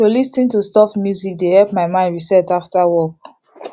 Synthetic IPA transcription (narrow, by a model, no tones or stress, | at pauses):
olistĩntustɔfmjuzik̚dehɛlpmaɪmãɪ̃ndɹisɛtaftawɔk̚